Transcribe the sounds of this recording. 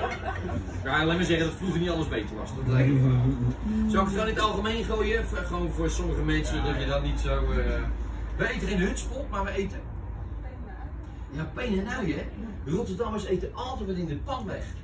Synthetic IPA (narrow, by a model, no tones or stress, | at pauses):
kalɛməzɛχəndɔtfruχənitɑlˠəzbejtəɹʋɑ̰stɔtlɛjknɔutsowktownətɑlˠχəmejnχojəχəʋonvʊːɹsoməχəmɛnsədɔtədɔtnitsow | ʋəejtənɪndəɦøtspolˠmaɹʋəejtə | jaːpejnənaɥɛrotərdɑmʋəsejtəɑlˠtɛjtʋɔtɪndəpɑntʋɛ̰χ